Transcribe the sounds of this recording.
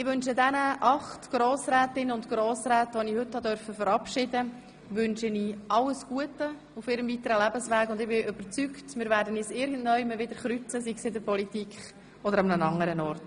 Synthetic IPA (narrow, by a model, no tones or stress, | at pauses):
ɪʋʏnʃədɛnəʔɑχtɡ̥ɾoːsɾæːtɪnəʊntɡ̥ɾɔːsɾæːtʋɔnihʏthɑdœɾfəfəɾɑpʃɪdə | ʋʏnʃəniʔɑlːəsɡ̥uətːə | ufɪːɾəmvitəɾəlæbəsʋæːɡʊndɪbɪʔʏb̥əɾt͡syktmɪːɾʋæːɾdənisɪɾɡən̩tnœʏməvɪdəɾχɾyt͡səsiksɪdəɾpɔlitikχ | ɔdəɾɑmnənɑŋːəɾənɔɾt